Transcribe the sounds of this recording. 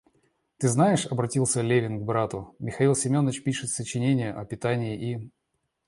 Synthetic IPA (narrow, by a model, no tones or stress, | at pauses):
t̪ɨznajɪʂɐbɾɐtʲilˠsʲəlʲevʲɪnɡbɾat̪ʊmʲɪxɐilˠsʲɪmʲo̞nːət͡ɕpʲiʂɨt̪sət͡ɕɪnʲenʲɪjəʔɐpʲɪt̪anʲɪːʔi